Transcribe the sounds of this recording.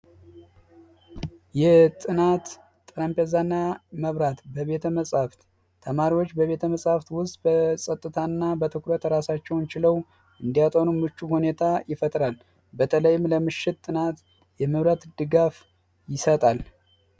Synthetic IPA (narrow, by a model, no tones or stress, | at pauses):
jɛt̪ʼɨnat̪ːʼ | ɾampʼezanːaməβɾat̪bəβe̞t̪ʰəməsʼhaft̪ | t̪ʰəmaɾiwo̞t͡ʃːbəβe̞t̪ʰəməsʼhaft̪wʊst̪ʼbəsʼət̪ʼːɨt̪ʰanːabət̪ʰɨkɾət̪ɾasat͡ʃːɛwnt͡ʃɪləw | ʔɨnd̪ijat̪ʼonumɨt͡ʃːuhune̞t̪ʰajɪfət̪ʼɾal | bət̪ʰələjːɪmləmɨʃːɪt̪ːʼɨnat̪ | jɛməβɾat̪d̪̥ɨɡaf | jɪsət̪ʼal